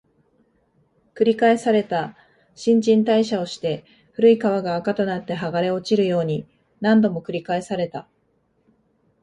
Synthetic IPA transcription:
kɯ̟ɾʲikae̞saɾe̞t̪a | ɕĩɲ̟d͡ʑĩnt̪aiɕao̞ɕi̥t̪e̞ | ɸɯ̟ɾɯ̟ikaβ̞aɡaːkat̪o̞nat̪ːe̞ɦaɡaɾe̞o̞t͡ɕiɾɯ̟jo̞ːɲ̟i | nãnd̪o̞mo̞kɯ̟ɾʲikae̞saɾe̞t̪a

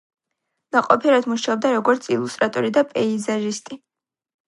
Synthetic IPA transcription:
naqʼɔpʰiɾad̪muʃaɔb̚d̪aɾɔɡɔɾt̪sʰḭlˠust̪ʼɾat̪ʼɔɾid̪apʼɛizaʒist̪ʼi

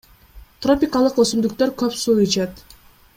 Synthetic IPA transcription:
t̪ro̞pʲikalˠɯqøsymd̪yk̚t̪ø̞ɾkøpsuit͡ʃet̪

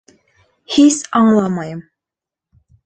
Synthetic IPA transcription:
hisɑɴlˠɑmɑjɤm

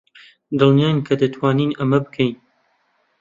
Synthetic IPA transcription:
d̪ɨlnjaːjnkʰɐd̪ɐt̪ʰwaːniːnɐmɐbɨkʰɛjn

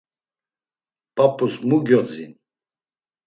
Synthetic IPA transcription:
pʼapʰʼusmuɡjɔd͡zḭn

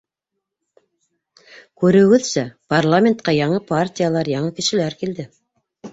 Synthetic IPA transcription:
kʉɾɘ̆ɡɵðsæparlˠamʲent̪̚qɑjɑɴɤpartʲijalˠɑɾjɑɴɤkɘ̆ʃɘ̆læɾkild̪ɘ

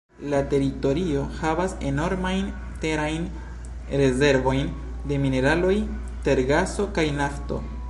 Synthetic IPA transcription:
late̞ɾito̞ɾio̞havase̞no̞ɾmajn | te̞ɾajn | ɾe̞ze̞ɾvo̞jn | de̞mine̞ɾalo̞j | te̞ɾɡaso̞kajnafto̞̰

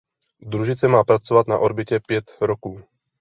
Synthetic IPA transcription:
d̪ɾuʒɪt͡sɛmaːpɾat͡sovat̪na̰ʔoɾbɪcɛpjɛt̪ɾɔkuː

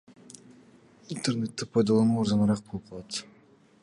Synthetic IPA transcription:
int̪eɾnet̪ːɪpʰɑjd̪ɑlˠɑnuoɾzɑnɑɾɑq̚bolˠɯp̚qʰɑlˠɑt̪

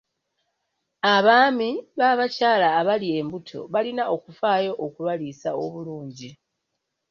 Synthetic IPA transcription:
aβaːmiβaːβacaːlaːβalie̞mbutʰo̞̰βalinao̞kufaːjo̞ʔokuβalisaoβuluːɲɟi

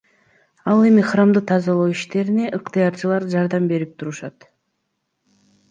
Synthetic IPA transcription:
ɑlˠe̞miχramd̪ɯt̪ʰɑzɑlˠowiʃt̪e̞ɾine̞ʔɯqt̪ɨjɑɾt͡ʃɯlˠɑɾd͡ʒɑɾd̪ɑmbe̞ɾip̚t̪ʰuɾuʃɑt̪

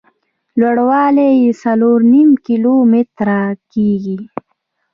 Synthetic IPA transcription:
lwaɽwɑlejesaloɾnimkilomɪt̪ɾakiɡi

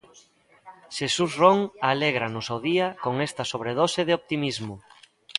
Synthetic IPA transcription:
ʃesusroŋaleɣ̞ɾanʊsoðiɐkoŋest̪ɐsoβ̞ɾeð̞oseðɪop̚t̪imizmʊ

